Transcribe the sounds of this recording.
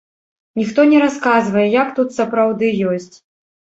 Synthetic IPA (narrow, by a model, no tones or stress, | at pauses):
nʲixt̪ɔnʲɛɾaskazvɐjɛjakt̪ut̪sɐpɾawd̪ɨjɔsʲt͡sʲ